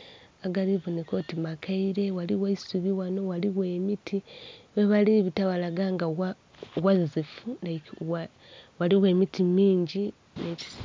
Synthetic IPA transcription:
aɡaɾiβunekotimakʰaiɾe̞waliwaisuβiwano̞waliɣweːmitʰiβeβaliβitawalaɡaŋɡawa | wazizifunawa | waliɣwe̞ːmitimiːɲɟi | neci̥s

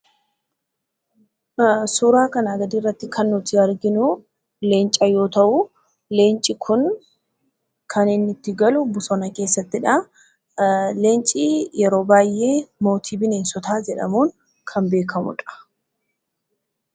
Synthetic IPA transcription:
suːɾaːkɐnaːɡɐd̪iːrːɐt̪ːɪkʰɐnːʊt̪ɪɐɾɡɪnʊ | le̞ːnt͡ʃʼɐjo̞ːt̪ɐʔʊ | le̞ːnt͡ʃʼːɪkʰʊn | kʰɐnɪnːɪt̪ːɪɡɐlʊbʊsɔnɐke̞ːsːɐt̪ːɪᶑɐ | le̞ːnt͡ʃʼijɛɾo̞ːbaːjʔːe̞ːmo̞ːt̪ʰiːbɪneːnsɔt̪aːd͡ʒɛᶑɐ̰muːŋ | kʰɐnbe̞ːkʰɐmʊ̰ᶑɐ̥

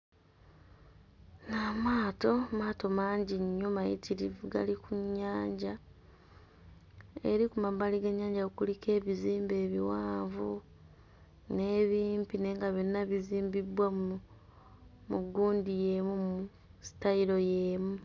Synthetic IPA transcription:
namaːto̞maːto̞maːɲɟiɲːomajḭtʰiɾivuɡa̰likuɲːaːɲɟa | e̞̰ɾikumaβaliɡeɲːaːɲɟaukulike̞ːβiziːmbe̞ːβiwaːɱvu | ne̞ːβiːmpine̞ːŋɡaβenːaβiziːmbiβwa | muɡuːndije̞ːmumu | si̥taiɾo̞jeːmu

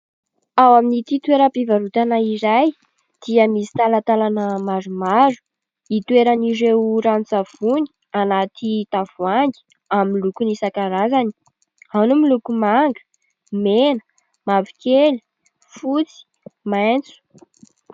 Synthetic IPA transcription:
awaminit̪it̪weɾəpivaɾut̪anaiɾaj | d̪̥iəmisi̥t̪alat̪alanəmaɾumaɾu̥ | it̪uweɾaniɾewɾant͡sav̥uni̥ | anat̪it̪av̥uaŋɡi̥ | amlukunisakaɾazani̥ | anumilukumaŋɡə̥ | menə̥ | mavikeli̥ | fut͡si̥ | majnt͡su̥

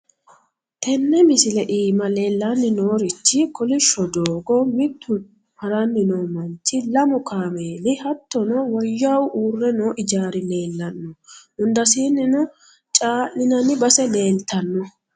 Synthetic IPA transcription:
t̪ɛnːɛmɪsɪlɛʔiːmɐleːlːɐnːɪnoːɾɪt͡ʃːɪkɔlɪʃːɔd̪oːɡɔmɪt̪ʰːʊ | hɐɾɐnːɪnoːmɐnt͡ʃːɪlɐmʊkʰaːmeːlɪhɐt̪ːɔnɔwɔjːɐwʔuːrːɛnoːʔɪd͡ʒaːɾɪneːlːɐnːɔʊnd̪ɐsiːnːɪnɔ | t͡ʃʼaːlɪnɐnɪbɐsɛle̞ːlt̪ɐnːɔ

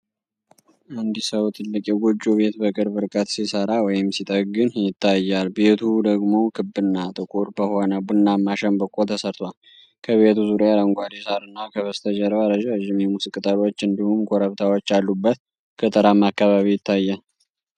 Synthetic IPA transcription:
and̪isəwt̪ʰɨlːɨkʼjɛɡod͡ʒuβe̞t̪bəkʼɨɾbɨɾkʼət̪sisəɾawɔjɪmsit̪ʼək̚ʼɡɨnjɪt̪ʰːajːalbe̞t̪ʰud̪əɡmo̞kʰɨbːɨnːat̪ʼɨkʼuɾbəhonəbunːamaʃəmbəkʼult̪ʰəsəɾt̪ʰwal | kʰəβe̞t̪uzuɾjaləŋɡʷad̪isaɾɨnːakʰəβəst̪ʰəd͡ʒɛɾβaɾəʒaʒɪmjɛmusɨkʼt̪ʼəɾo̞t͡ʃːɨnd̪ihumkʰoɾəβt̪ʰawot͡ʃːalːubːət̪ | kʰət̪ʼɨɾamːakːaβaβijɪt̪ʰːajːal

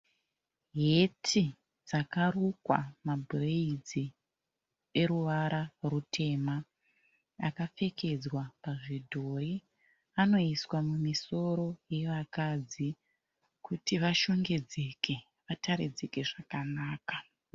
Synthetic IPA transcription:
ɦe̞tʰi | d͡zakarukwa̰mabʱreid͡zi | e̞ɾuʋaɾarutʰe̞ma | akafe̞ke̞d͡zwapaʐidʱo̞i | ano̞iswamumiso̞ɾo̞je̞ʋakad͡zi | kʰutiʋaʃo̞ŋɡe̞d͡ze̞kʰe̞ | ʋatʰaɾid͡zeke̞ʐakanaːkḁ

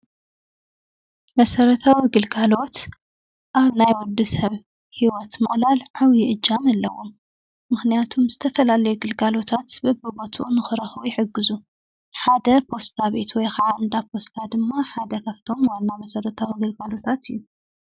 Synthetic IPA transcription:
mɐsɐɾɐt̪ʰawiɡɨlɡalo̞t̪ | ʔaβnajwɔd̪isɐβ | hiwɔt̪mɨχʼlalʕawjʔɨd͡ʒːamɐlːɐwomː | ɨxnijat̪ʰumzɨt̪ʰɐfɐlalɐjuɡɨlɡalo̞t̪ʰat̪bɐbɨbot̪ʰuʔunɨxɨɾɐxujɪħɨɡːɨzu | ħad̪ɐpʰo̞st̪ʰaβe̞t̪wɔjxaʕand̪apʰo̞st̪ʰad̪ɨmːaħad̪ɐkʰɐft̪ʰo̞mwanːamɐsɐɾɐt̪ʰawiɡɨlɡalo̞t̪ʰat̪ɨjːu

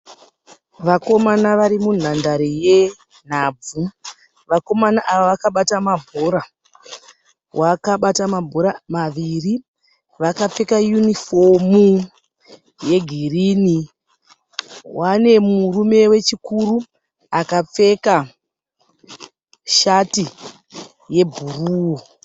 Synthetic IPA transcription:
ʋako̞manaʋaɾimun̤andaɾije̞ | n̤ab͡vu | ʋako̞manaʔaʋaʋakaɓatamabʱo̞ɾa | wʔakaɓatamabʱo̞ɾamaʋiri | ʋakap͡fe̞kajunifo̞mu | je̞ɡʱiriːni | wane̞murume̞we̞t͡ʃikuɾu | akap͡fe̞ka | ʃati | je̞bʱuruːwo

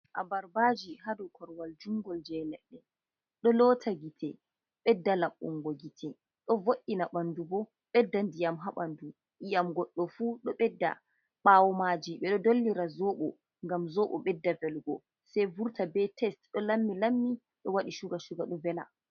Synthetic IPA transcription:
ʔa̰baɾbad͡ʒihadɔkʰɔɾwald͡ʒuŋɡɔld͡ʒɛnɛɗːɛ | ɗɔlɔtʰaɡitʰɛ | ɓɛdːalaɓːṵŋɡɔɡitʰɛ | ɗɔvoɗːinaɓandubɔ | ɓɛdːandijamɦaɓandu | ʔijamɡɔɗːɔfuɗɔɓɛdːa̰ | ɓawɔmad͡ʒiɓɛɗɔdolːiɾazɔɓɔ | ŋɡamzɔɓɔ̰ɓɛdːavɛlɡɔ | sɛjvuɾtʰabɛtʰɛstɗɔlamːilamːi | ɗɔwaɗiʃuɡaʃuɡaɗɔvɛla̰

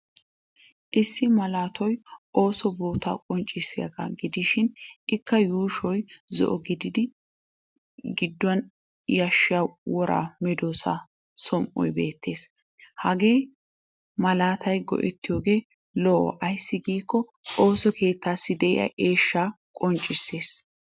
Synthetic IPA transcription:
ʔɪsːɪmɐlaːt̪ʰɔjʔo̞ːsɔbo̞ːt̪a̰ːkʼɔnt͡ʃʼːɪsːɪjɐ̰ɡa̰ɡɪd̪ɪʃɪnɪkːɐjuːʃɔjzɔ̰ʔɔɡɪd̪ɪd̪ɪ | ɡɪd̪ːʊɐn | jɐʃːɪjawwɔɾʔa̰ːmɛd̪oːsa̰ | sɔmʔɔ̰jbe̞ːt̪ːe̞ːs | hɐɡe̞ː | mɐlaːt̪ʰɐjɡɔ̰ʔɛ̰t̪ːɪjo̞ːɡe̞ː | lɔʔɔ̰ʔɐjsːɪɡiːkːɔ | o̞ːsɔke̞ːt̪ːaːsːɪd̪ɛʔɪ̰ɐ̰ʔe̞ːʃːaː | kʼɔnt͡ʃʼːɪsːe̞ːs

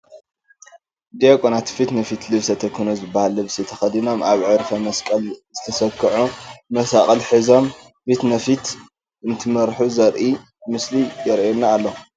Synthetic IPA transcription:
d̪ekʼonat̪ʰi̥fit̪nɐfit̪lɨβsɐt̪ʰɐkʰːunozɨbːahalɨβsit̪ʰɐxɐd̪ino̞mʔaβʕɨɾfɐmɐskʼɐlzɨt̪ʰɐsɐkʰːɨʕumɐsaχʼɐlħɨzo̞m | fit̪nɐfit̪ | ɨnt̪ʰɨmɐɾħuzɐɾʔi | mɨslijɛɾʔɛnːaːlːo

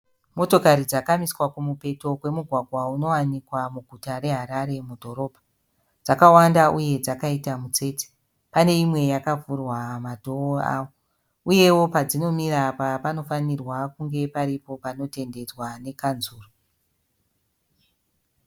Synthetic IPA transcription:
mo̞to̞kaɾid͡zakamiswakumupe̞to̞kwe̞muɡʱwaɡʱwauno̞wanikwamuɡʱutaɾe̞ɦaɾaɾe̞mudʱo̞ɾo̞ːbʱa | d͡zakawandauje̞d͡zakaitamut͡se̞ːte̥ | pane̞imwe̞jakafurwamadʱooa̰ːwo | uje̞wo̞pad͡zino̞miɾapapano̞fanirwakuŋɡe̞paɾipo̞pano̞te̞nde̞d͡zwane̞kanzuːro

